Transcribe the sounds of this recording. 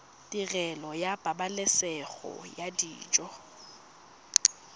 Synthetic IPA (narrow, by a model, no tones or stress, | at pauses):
dʼirɛlɔjab̥ʼabalɪsɛɣɔ̰jadḭːt͡ʃʼɔ